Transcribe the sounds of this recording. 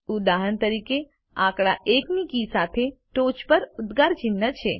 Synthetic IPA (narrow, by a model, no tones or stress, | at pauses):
ud̪aɦənt̪əɾike | ãkɭaʔeknikisat̪ʰeʈot͡ʃpəɾud̪ɡaɾt͡ʃɪnːət͡ʃʰe